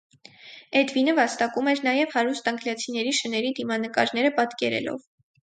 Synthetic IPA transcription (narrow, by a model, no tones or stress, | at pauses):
ɛd̪vinəvɑst̪ɑkumɛɾnɑjɛvhɑɾust̪ɑŋɡljɑt͡sʰinɛɾiʃənɛɾid̪imɑnəkɑ̰ɾn̪ɛɾəpɑt̪kɛɾɛ̰lɔ̰v